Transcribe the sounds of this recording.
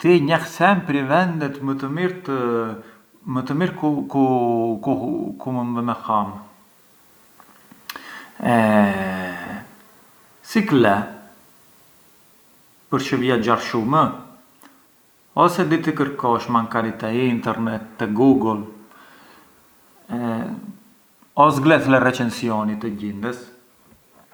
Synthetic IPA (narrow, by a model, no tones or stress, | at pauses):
t̪iɲɛhsɛmpɾivɛnd̪ɛt̪mət̪əmiɾt̪ə | mət̪əmiɾkukukukumənðɛmɛham | ɛ | siklɛ | pəɾʃəviad͡ʒaɾʃumə | ɔsɛd̪it̪əkəɾkɔʃmaŋkaɾit̪ɛiːnt̪ɛɾnɛt̪ːəɡuɡəl | ɔsɡlɛθlɛrɛt͡ʃɛnsiɔnit̪əɟind̪əs